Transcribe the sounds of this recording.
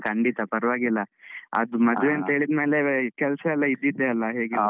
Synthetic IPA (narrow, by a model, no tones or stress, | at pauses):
kɐɳɖit̪ɐpɐɾʋaːɡilːɐɐ̰d̪umɐd̪uʋeɐnt̪ɐɦeːɭid̪me̞ːlekɛlsɐɛlːɐid̪ːid̪ːeɐlːɐɦeːɡi